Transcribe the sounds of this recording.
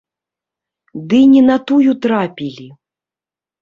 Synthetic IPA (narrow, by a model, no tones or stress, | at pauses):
d̪ɨnʲɛnat̪ujut̪ɾapʲilʲi